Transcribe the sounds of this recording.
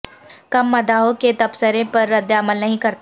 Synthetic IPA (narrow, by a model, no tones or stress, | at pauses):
kɐmːɐd̪aɦõket̪ɐpsəɾẽpɐɾːɐd̪aməlnɐɦĩkɐɾt̪